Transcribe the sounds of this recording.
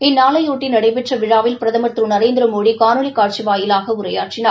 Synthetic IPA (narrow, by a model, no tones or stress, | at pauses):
ɪnːaːlɐjuːʈːɪnɐɽɐɪpɛʈrɐʋɪɻaːʋɪlpɪɾɐðɐmɐt̪ɾɯnɐɾeːnd̪ɪɾɐmoːɽikaːnulikaːʈ̚t͡ʃiʋaːjɪlaːɣɐʊɾɐja̰ːʈrɪnaː